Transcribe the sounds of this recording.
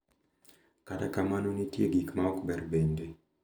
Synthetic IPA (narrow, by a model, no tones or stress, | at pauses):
katakamanonitjeɡikmaɔkbɛrbende